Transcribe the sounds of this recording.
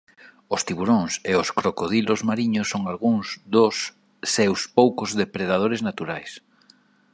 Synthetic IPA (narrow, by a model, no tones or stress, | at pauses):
ost̪iβuɾõŋseʊskɾokoð̞ilozmaɾiɲosːoŋalɣuŋzðosː | ewspowkozðepɾeðað̞oɾeznat̪uɾajs